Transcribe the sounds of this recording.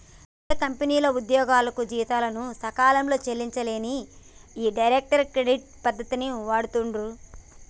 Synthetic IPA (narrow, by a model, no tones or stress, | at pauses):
ɐkɐmpeniːlɐud̪jɔːɡaːlɐkud͡ʒiːit̪aːlɐnusɐkaːlɐmlo̞ːt͡ʃelːiɲt͡ʃɐleːniiːɖɐjɾek̚ʈɐɾkɾeɖiʈ̚pɐd̪ːɐt̪iniʋaːɽut̪uɳɖu